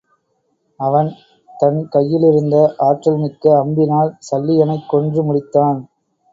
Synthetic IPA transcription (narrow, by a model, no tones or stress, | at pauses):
ɐʋɐn | t̪ɐnkɐjːɪlɪɾɯnd̪ɐʔaːʈːɐlmɪkːɐɐmbɪnaːlsɐlːɪjɐnɐɪkːɔɳdrɯmʊɽɪt̪ːaːn